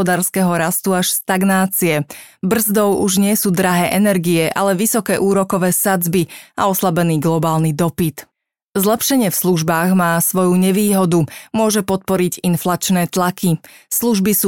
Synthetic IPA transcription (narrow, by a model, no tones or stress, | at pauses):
ɔd̪aːɾskɛɦɔɾast̪uaʃst̪aɡnaːt͡siɛbr̩zd̪ɔʊuʒɲɪɛsuːd̪ɾaɦɛːʔɛnɛɾɡiɛʔa̰lɛʋisɔkɛːʔuːɾɔkɔʋɛːsad͡zbiaɔslabɛniːɡlɔbaːlnid̪ɔpit̪ | zlɛpʃɛɲɪɛfsluʒbaːɣmaːsʋɔjuɲɛʋiːɦɔd̪umʊɔʒɛpɔt̪̚pɔɾiɟinflat͡ʃnɛːt̪lakʰisluʒbisuː